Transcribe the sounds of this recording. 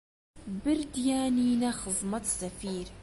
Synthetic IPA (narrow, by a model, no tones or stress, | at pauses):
bɪɾd̪jaːniːnaxɨzˤmɑt̪safiːɾ